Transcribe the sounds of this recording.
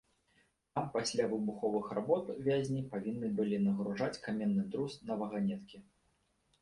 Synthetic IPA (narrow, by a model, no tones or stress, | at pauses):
t̪ampasʲlʲavɨbuxɔvɨxɾabɔt̪vʲazʲnʲipavʲinːɨbɨlʲinɐɣɾuʐat͡sʲkamʲɛnːɨd̪ɾusnɐvɐɣanʲɛt̪kʲi